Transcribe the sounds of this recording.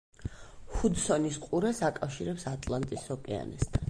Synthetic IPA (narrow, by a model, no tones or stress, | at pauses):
hud̪sɔnisqʼuɾɛsakʼafʃiɾɛpsat̪ʼlˠant̪ʼisɔkʼɛa̰nɛ̰st̪ʰan